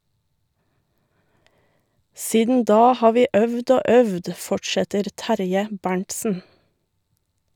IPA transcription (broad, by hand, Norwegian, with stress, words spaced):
ˈsiːdn ˈdɑː ˈhɑː ˈʋiː ˈʔœʋd ˈoː ˈœʋd ˈfɔʈʃɛtəɾ ˈtæɾjə ˈbæɳʈsn̩